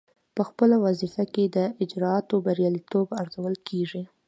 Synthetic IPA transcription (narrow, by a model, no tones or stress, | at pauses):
pəxpəlawazifaked̪əʔɪd͡ʒɾɑɑt̪obaɾjɑlit̪obaɾzawəlkʰeʐi